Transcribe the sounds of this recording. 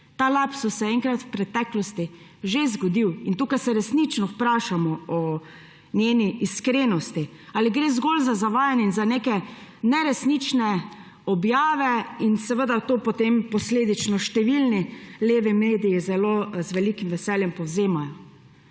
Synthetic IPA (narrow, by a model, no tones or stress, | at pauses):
t̪aːlapsɔsɛɛŋkɾat̪wpɾɛt̪ɛklɔst̪i | ʒezɡɔd̪iwint̪uːkajsɛɾɛsnit͡ʃnɔwpɾaːʃamɔɔ | njeːniʔːskɾeːnɔst̪i | aliɡɾezɡolzazaʋaːjanjɛinzaneːkɛnɛɾɛsnit͡ʃnɛ | ɔbjaːʋɛinsɛʋəd̪at̪oːpɔt̪empɔsleːd̪it͡ʃnɔʃt̪ɛʋilnileːʋimeːd̪ijizɛloːzʋɛlikimʋɛsɛljɛmpɔwzeːmajɔ